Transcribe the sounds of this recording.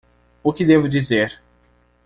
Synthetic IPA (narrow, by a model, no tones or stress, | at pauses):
ʊkɪd̪evʊd͡ʒizeɾ